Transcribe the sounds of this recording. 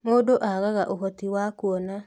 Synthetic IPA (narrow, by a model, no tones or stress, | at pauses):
moːdoʔaɣaɣaʔoɦɔtiwakuɔna